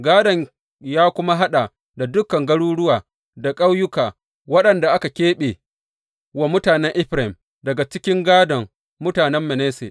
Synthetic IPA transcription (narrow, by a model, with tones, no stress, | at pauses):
ɡaː˦dɐ˨ɲ | jaː˦kʷʊ˦ma˦ɦa˦ɗa˨ | da˨dʊ˦kɐ˨ŋɡɐ˦ɽuː˦ɽʊ˦waː˨ | da˨kʼa˦wjʊ˦kaː˨ | wɐ˦ɗɐ˨nda˨ʔa˦ka˨kʲeː˦ɓeː˨ | wa˦mʊ˦taː˨nɛ˦ŋʔɪ˦ɸɾa˨ɪ˨m | dɐ˨ɡa˨t͡ʃɪ˦kʲɪ˦ŋɡaː˦dɐ˨ŋː | ʊ˦taː˨nɛ˦mːɛ˨neː˦sḛː˨ʔ